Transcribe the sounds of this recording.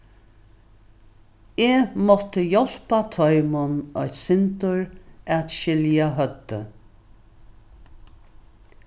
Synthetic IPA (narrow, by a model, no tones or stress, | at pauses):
eːmɔt̪əjɔl̥pat̪ʰɔʏmʊnɔt̪sɪnt̪ʊɹat̪ʃɪljaɦœt̪ːə